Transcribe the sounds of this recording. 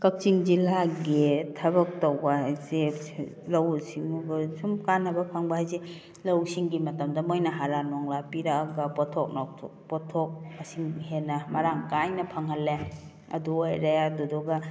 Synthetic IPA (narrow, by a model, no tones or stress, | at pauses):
kɐk̚t͡ʃiŋd͡ʒilaɡetʰɐbɐk̚towbaɦajze | lawsiŋuɡsumkanɐbɐpʰaŋbaɦajze | lawsiŋɡimɐtamdamojnaɦaɾanɔŋlapiɾaːɡapɔtʰɔk̚nɔtʰɔ̰pɔtʰɔk̚asiŋhenamɐɾaŋkajnɐpʰaŋhalːe | ɐ̰duajɾajadudɔɡa